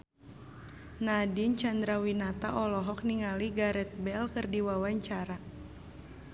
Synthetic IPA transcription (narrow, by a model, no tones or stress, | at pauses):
nadint͡ʃand̪ɾawinat̪aʔɔlɔɦɔk̚niŋaliɡaɾɛt̪̚bɛlkərdiwawaɲt͡ʃaɾa